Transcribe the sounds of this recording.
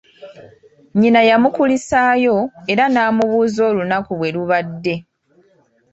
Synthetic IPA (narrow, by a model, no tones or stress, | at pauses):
ɲinajamukulisaːjo̞e̞ɾanaːmuβuːzo̞ːlunakuβwe̞luβadːe̞